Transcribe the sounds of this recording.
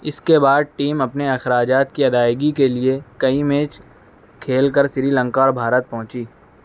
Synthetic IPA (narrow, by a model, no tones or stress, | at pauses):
ɪskebaːd̪̚ʈiːmɐpneɐxɾaːd͡ʒaːt̪̚kiɐd̪aːɪɡikeliekɐimẽːt͡ʃ | kʰeːlkəɾsɪɾilə̃ŋkaɔːɾbʱaːɾət̪̚pɔ̃ɦʊ̃t͡ʃiː